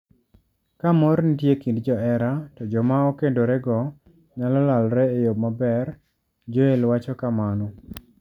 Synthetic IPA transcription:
kamɔɾnitjekindd͡ʒɔɛɾatɔd͡ʒɔmaɔkendoɾɛɡɔ | ɲalɔlalɾɛejob̚mabɛr | d͡ʒoelwat͡ʃɔkamanɔ

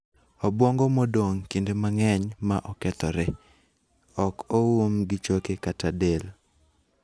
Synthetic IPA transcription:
obwoŋɡomodoŋkendemaŋɛɲmaʔɔkɛt̪ɔɾɛ | ɔkowomɡɪt͡ʃokekatadel

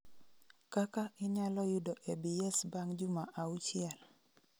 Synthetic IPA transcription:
kakaɪɲalɔjudɔʔebiɛsbaŋd͡ʒumaʔaut͡ʃɪɛl

